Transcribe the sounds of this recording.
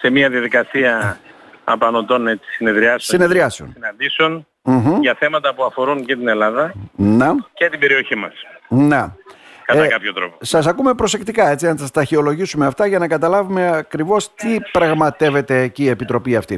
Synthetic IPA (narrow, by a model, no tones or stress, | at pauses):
se̞miɐðiɐðikɐsiɐ | ɐpɐno̞t̪o̞ne̞t͡si̥sine̞ðɾiɐsessine̞ðɾiɐseo̰nsinɐnd̪iseon | m̩ɦ̩ʝɐθe̞mɐt̪ɐpuɐfo̞ɾuncet̪ine̞lɐðɐnecet̪ibe̞ɾio̞çimɐ̰snekɐt̪ɐkɐpçot̪ɾo̞̰posɐsɐkume̞pɾo̞se̞kt̪ikɐe̞t͡sinɐsɐst̪ɐçeo̞lo̞ʝisume̞ɐft̪ɐʝɐnɐkɐt̪ɐlɐvume̞ɐkɾivo̞st̪ipɾɐɣmɐt̪e̞ve̞t̪e̞ːciːe̞pit̪ɾo̞piɐft̪i